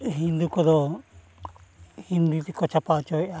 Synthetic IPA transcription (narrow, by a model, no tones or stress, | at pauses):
ɦind̪ukɔd̪ɔ | hind̪ut̪ikɔt͡ʃʰapawt͡ʃɔɛa